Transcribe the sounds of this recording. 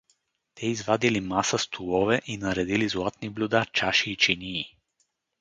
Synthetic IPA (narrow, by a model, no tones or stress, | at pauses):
t̪ɛizvad̪ilimasast̪ʰulˠɔvɛʔinɐɾɛd̪ilizlˠat̪̚niblʲud̪at͡ʃaʃiːt͡ʃiniː